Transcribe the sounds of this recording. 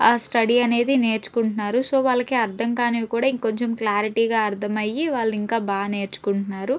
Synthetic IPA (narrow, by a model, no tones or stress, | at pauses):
aːsʈɐɽiɐne̞ːd̪ine̞ːɾt͡ʃu̥kuɳʈunːaːɾuso̞ːʋaːɭːɐkeɐɾd̪ʱɐŋkaːneʋikuːɽaːiŋko̞ɲt͡ʃemklaːɾiʈiːɡaːɐɾd̪ʱɐmɐjːiʋaːɭːuiŋkaːbaːne̞ːɾt͡ʃu̥kuɳunːaːɾu